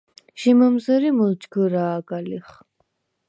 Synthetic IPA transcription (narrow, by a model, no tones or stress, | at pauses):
ʃiməmzəɾiməlt͡ʃɡəɾaːkʼaliχ